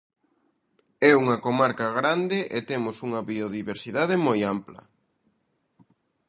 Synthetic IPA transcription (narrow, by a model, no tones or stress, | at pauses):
ɛuŋɐkomaɾkɐɣɾand̪ɪʔet̪emʊsuŋɐβioðiβeɾsiðaðemojamplɐ̰